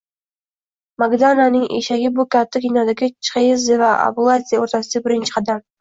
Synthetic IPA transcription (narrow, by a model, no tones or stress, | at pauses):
maɡd̪ananɪŋḛʃaɡʲɪbʊkʲat̪ʰːakʲʰinɒd̪aɡʲɪt͡ʃʰχejɪzɪvaa̰bʊlˠat̪sʲijaoɾt̪ʰasɪd̪bɪɾɪnt͡ʃʰɪ̥qʰɑd̪am